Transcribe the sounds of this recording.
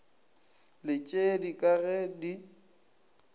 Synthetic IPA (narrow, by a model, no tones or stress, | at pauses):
lɪt͡ʃʼedikʼaɣɛdi